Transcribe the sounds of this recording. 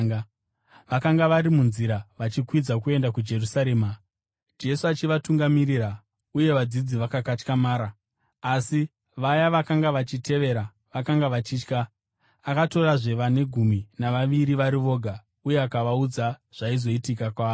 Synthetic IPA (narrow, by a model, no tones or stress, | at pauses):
ʋakaŋɡaʋaɾimunziɾaʋat͡ʃikwid͡zakue̞ndakud͡ʒe̞rusaɾe̞ːma | d͡ʒe̞suat͡ʃiʋatuŋɡamiɾira | uje̞ʋad͡zid͡ziʋakakat͡ʃkamaːɾaː | si | ʋajaʋakaŋɡaʋat͡ʃite̞ʋe̞ɾa | ʋakaŋɡaʋat͡ʃiːt͡ʃka | akato̞raʐe̞ʋane̞ɡʱuminaʋaʋiɾiʋaɾiʋo̞ːɡʱa | uje̞akaʋaud͡zaʐ̥aizo̞itikakwaː